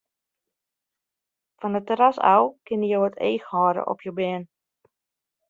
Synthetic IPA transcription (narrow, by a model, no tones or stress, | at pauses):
fɔnətəɾasa̰wkɪnəjoətʰḛːxhɔːɾə̰ʔɔ̰pʰjowbɪːn